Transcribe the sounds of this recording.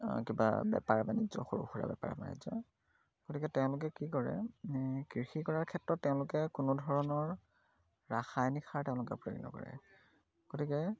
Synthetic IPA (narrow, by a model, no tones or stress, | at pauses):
kiba̰bɛpaɹbanizɔ̰xoɹṵxuɹa̰bɛpa̰ɹa̰ba̰nḭzɔ | ɡ̥otikɛtɛʊ̃lʊk̬ɛkikɔɹɛ̰kɹixikɔɹaɹkʰɛtɹɔtːɛʊ̃lʊkɛkʊnodʱɔɹɔnɔɹ | ɹaxajnixʰaɹtɛʊ̃lʊkɛpɹoɡinɔ̰kɔ̰ɹɛ̰ | ɡ̥otikɛ